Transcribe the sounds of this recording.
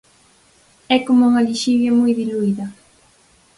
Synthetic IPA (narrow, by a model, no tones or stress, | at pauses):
ɛkomuŋaʎiʃiʎamujðɪlujða